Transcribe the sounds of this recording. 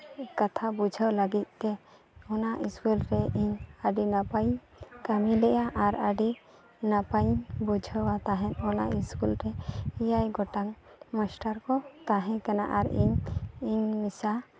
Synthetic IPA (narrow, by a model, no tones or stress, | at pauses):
kat̪ʰabud͡ʒʱəwlaɡit̪̚ˀt̪ɛ | ɔnaʔiskulɾɛʔiɲəɖinapaj | kamilɛʔjaʔaɾəɖi | napajbud͡ʒʱəwat̪aɦɛ̃nɔna̰ʔiskulɾɛijajɡɔʈaŋ | masʈaɾkɔt̪aɦɛ̃kana̰ʔaɾḭɲiɲmisa